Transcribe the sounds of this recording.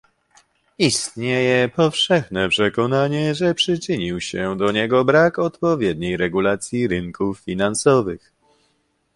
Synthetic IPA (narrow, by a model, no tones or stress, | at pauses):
ist̪ɲejɛpɔfʂɛxnɛpʂɛkɔnaɲɛʐɛpʂɘt͡ʂɘɲiwɕɛd̪ɔɲɛɡɔbɾakɔt̪pɔvʲjɛd̪ɲejɾɛɡulat̪sʲjiɾɘŋkufːʲinansɔvɘx